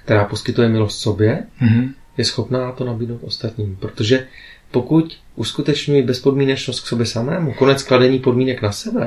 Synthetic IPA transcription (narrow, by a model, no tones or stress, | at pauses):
k̚t̪ɛɾaːpo̞skɪt̪ujɛmɪlo̞st̪so̞bjɛ | jɛsxo̞pnaːt̪o̞nabidno̞wt̪ʔo̞st̪at̪ɲiːmpɾo̞t̪o̞ʒɛpo̞kuc | ʔuskut̪ɛt͡ʃɲujibɛspo̞dmiːnɛt͡ʃnost̪kso̞bjɛsamɛːmuko̞nɛt͡skladɛɲiːpo̞dmiːnɛknasɛbɛ